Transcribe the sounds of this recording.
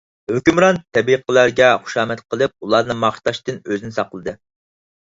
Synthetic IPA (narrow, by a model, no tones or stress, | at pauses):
høkʲymɾɑnt̪ʰɛbiqʰəlˠæɾɡʲɛχu̥ʃɑːmɛt̪qʰəlˠɨp̚ulˠɑɾnɨŋmɑχʃt̪ɑʃt̪ɨnøzɪnɪsɑqəlˠɨd̪ɨ